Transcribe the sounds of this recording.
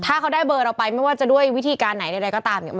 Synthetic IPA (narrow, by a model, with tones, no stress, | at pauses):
t̪ʰaː˥˩kʰa˦˥wdaː˥˩jbɤː˧ɾa˧wpa˧jma˥˩jwaː˥˩t͡ɕa˨du˥˩əjwi˦˥t̪ʰiː˧kaː˧nːa˩˦jda˧ɾa˧jkɔː˥˩t̪aː˧mnḭ˧˦˩m